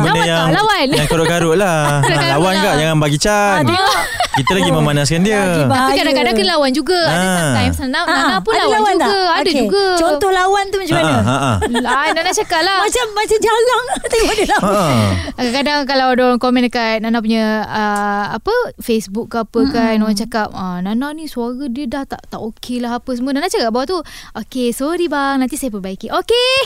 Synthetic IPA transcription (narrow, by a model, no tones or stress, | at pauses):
bəndəjaŋlawanjaŋkaɾʊʔkaɾʊʔla | aalawanɡaʔjaŋnbaɡit͡ʃa | kkit̪əlaɡiməmanaskandiət̪apikadakadaŋkənlawand͡ʒuɡaaajmsnanananapunlaawlwauɡaadad͡ʒuɡat͡ʃɔnt̪ɔhlawant̪umət͡ʃumaəaʔaananat͡ʃakaʔlahmat͡ʃamːat͡ʃamd͡ʒalaŋt̪adəla | kadaŋk̬alawdaɾaŋkomɛ̃nkannanap̬uɲəəapəfesbukːapəkannawant͡ʃakap̚ənananisuaɾədiədaht̪aʔt̪aʔokʰelaɦapəsəmũnanat͡ʃakap̚bawaʔt̪uʔokesoɾibaŋnant̪isajapərbaikiʔoke